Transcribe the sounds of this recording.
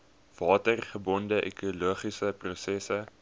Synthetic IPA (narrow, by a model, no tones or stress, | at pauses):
v̥ɑːtərχəbɔndəʔḛkuluəχisəprusɛsə